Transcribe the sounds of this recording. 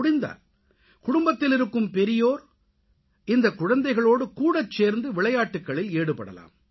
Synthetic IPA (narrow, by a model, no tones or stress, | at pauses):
ɽɪnd̪a̰ːl | kʊɽʊmbɐt̪ːɪlɪɾɯkːɯmpɛɾɪjoːɾ | ɪnd̪ɐkːʊɻɐnd̪ɐɪɣɐɭoːɽɯkuːɽɐt͡ʃːeːɾnd̪ɯʋɪɭɐjaːʈːɯkːɐɭɪleːɽɯpɐɽɐ̰la̰ːm